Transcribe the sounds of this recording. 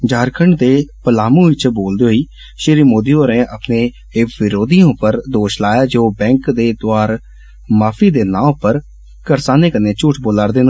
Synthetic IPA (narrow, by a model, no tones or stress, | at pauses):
d͡ʒaːɾkʰəɳɖd̪eːpəlaːmũːɪt͡ʃʰboːld̪eːɦoiː | ʃiːɾiːmoːd̪iːoːɾẽːʔəpnẽː | ɪʋɪɾoːd̪ijõːpəɾd̪oːʃlaːjaːd͡ʒoːbɛ̃ːŋkd̪eːt̪ʊaːɾ | maːfʰiːd̪eːnãːpəɾ | kəɾsaːneːkəneːt͡ʃʊʈʰboːlaːɾd̪eːn